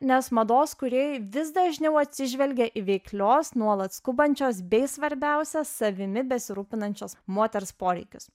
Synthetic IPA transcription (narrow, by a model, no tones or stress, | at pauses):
nʲɛsmɐd̪oːskʊɾʲiɛjɪʋʲɪsd̪ɐʒʲnʲɛʊɐt̪ʲsʲɪʒʲʋʲɛlʲɡʲɛʔɪʋʲɛɪklʲoːsnuɔlˠɐt̪skʊbɐnʲt͡ʃʲoːsbʲɛɪsʋɐɾʲbʲæˑʊsʲɛsɐʋʲɪmʲɪbʲɛsʲɪɾuːpʲɪnɐnʲt͡ʃʲoːsmoɔt̪ʲɛɾspoːɾʲɛɪkʲʊs